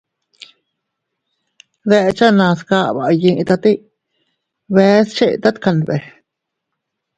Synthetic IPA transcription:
ðe˧ʔt͡ʃa˦nã˧ska˧ba˨ji˧ʔt̪a˧t̪i˦ʔ | βe˧˦st͡ʃe˦˨t̪a˦t̪ka˧nbe˨

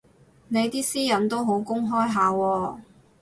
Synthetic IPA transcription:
ne˨˧jt̪iː˥siː˥jɐ˨˥nt̪o˥wɦo˨˥wkʊ˥ŋɦɔː˥jɦaː˨˧wɔː˧

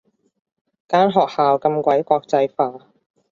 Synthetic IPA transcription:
kaː˥nɦɔː˨k̚haː˨wkɐ˧mkʷɐ˨˥jkʷɔː˧k̚t͡sɐ˧jfaː˧

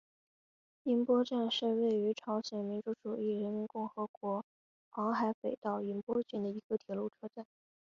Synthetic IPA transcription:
i˧˥npwɔ˥ʈ͡ʂa˥˧nʂɻ̩˥˧we˥˩ɪy˧˥ʈ͡ʂʰɑ˧˥ʊɕjɛ˨˩nmi˧˥nʈ͡ʂu˧˥ʈ͡ʂu˨˩i˥˩ɻə˧˥nmi˧˥nkʊ˥˩ŋxɤ˧˥kwɔ˧˥ | xɑ˧˥ŋxa˧˥ɪpe˨˩ɪt̪ɑ˥˩ʊi˧˥npwɔ˥t͡ɕɛ˥˩nd̪ə˩i˧˥ɡə˧t̪ʰjɛ˨˧˩lu˥˩ʈ͡ʂʰɤ˥ʈ͡ʂa˥˩n

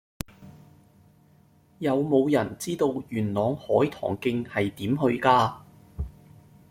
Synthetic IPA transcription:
jɐ˨˧wmo˨˧wjɐ˨˩nt͡siː˥t̪o˧wjyː˨˩nlɔː˨ŋhɔː˨˥jt̪ʰɔ̰ː˨˩ŋkɪ˧ŋhɐ˨jt̪iː˨˥mɦɵ˧ɥkaː˧

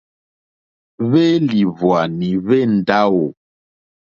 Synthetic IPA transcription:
βe˦li˨vwa˨ni˨βe˦˨n̩˨da˦wo˨

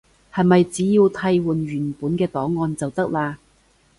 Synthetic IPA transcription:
hɐ˨jmɐ˨jt͡siː˨˥jiː˧wt̪ʰɐ˧jwuː˨˩nɥyː˨˩npuː˨˥nkɛː˧t̪ɔː˨˥ŋːɔː˧nt͡sɐ˨wt̪ɐ˥k̚laː˧

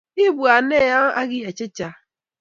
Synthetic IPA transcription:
ɪ˦bu˨a˨ne˦˨ja˦a˦ɡɪ˦ja˨t͡ʃɪ˦t͡ʃa˨

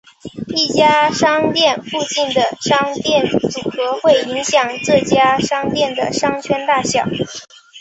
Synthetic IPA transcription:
i˥˩t͡ɕja˥ʂɑ˥ŋt̪jɛ˥˧nfu˥˧t͡ɕi˥˩nd̪ə˩ʂɑ˥ŋt̪jɛ˥˩nt͡su˨˩xɤ˧˥xwe˥˩ɪi˧˥ŋɕjɑ˨˩ŋʈ͡ʂɤ˥˧˩t͡ɕja˥ʂɑ˥ŋt̪jɛ˥˩nd̪ə̰˩ʂɑ˥ŋt͡ɕʰɥɛ˥nt̪a˥˧ɕjɑ˥˩ʊ

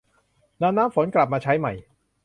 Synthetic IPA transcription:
naː˧mnaː˦˥mfo˩˦nkla˨˩p̚maː˧t͡ɕʰa˦˥jma̰˨˩j

